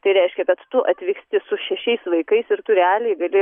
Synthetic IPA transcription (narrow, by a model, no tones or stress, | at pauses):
t̪ɐɪɾʲɛɪʃʲkʲɛkɐt̪t̪ʊʔɐt̪ʲʋʲɪːksʲt̪ʲɪsʊʃʲɛʃʲɛɪsʋɐɪkɐɪsɪɾt̪ʊɾʲɛɑːlʲeːɡɐlʲɪ